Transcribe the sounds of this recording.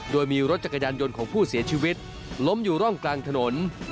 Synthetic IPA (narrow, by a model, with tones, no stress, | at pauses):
doː˧jmiː˧ɾo˦˥t̪̚t͡ɕa˨˩kːa˧jaː˧njo˧nkʰɔː˩˦ŋpʰuː˥˩si˨˩˦ɐt͡ɕʰiː˧wi˦˥t̪̚ | lo˦˥mjuː˨˩ɾɔ˥˩ŋklaː˧ŋt̪ʰa˧no˩˦n